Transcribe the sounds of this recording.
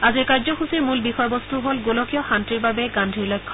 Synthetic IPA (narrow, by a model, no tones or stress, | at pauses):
azikaɹzɔxusiɹmulbixɔjbɔst̪uɦolɡolɔkijɔxantiɹbabɛɡandʱiɹlɔjkʰːɔ̥